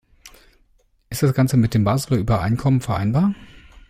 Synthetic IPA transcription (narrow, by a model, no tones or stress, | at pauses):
ʔɪstd̥asɡ̥ant͡səmɪt̚d̥eːmbaːzəʁəʔyːbɐʔa̰ɪnkʰɔmənfɛɐʔa̰ɪnbaːɐ